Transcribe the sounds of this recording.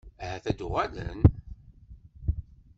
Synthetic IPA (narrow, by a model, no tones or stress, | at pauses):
æhæθæd̪ʊʁælə̰n